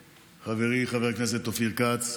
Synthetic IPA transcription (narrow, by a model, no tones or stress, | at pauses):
χaveʁiχaveʁaknes̬et̪ːofiʁkat͡s